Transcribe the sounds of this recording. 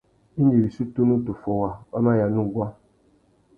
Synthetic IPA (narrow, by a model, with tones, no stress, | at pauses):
i˦ni˨ɾi˨su˦tu˦nu˦tu˨fo˨wa˨ka˦ma˦ja˨nu˦ɡʷa˦